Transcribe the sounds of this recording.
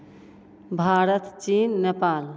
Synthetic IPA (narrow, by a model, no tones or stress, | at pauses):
bʱaɾət̪t͡ʃinːepal